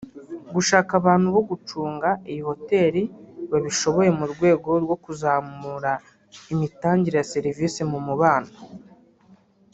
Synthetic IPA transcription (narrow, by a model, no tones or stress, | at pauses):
ɡuʃaːkaβaːnhuβo̞ɡut͡ʃuːŋɡaijiho̞te̞ːɾiβaβiʃo̞βo̞je̞muɾɡwe̞ːɡo̞ɾɡo̞kuzaːmuːɾa | imitaːɲɟiɾe̞jaseɾiviːsimumuβaːna